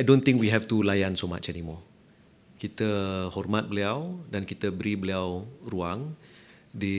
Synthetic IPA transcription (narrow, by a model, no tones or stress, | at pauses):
ajdõnt̪ĩŋkwiɦɛft̪ulajansoma̰t͡ʃɛnimɔ | kit̪əhɔrmat̪̚bəliawdankit̪əbəɾibəliawruaŋ | di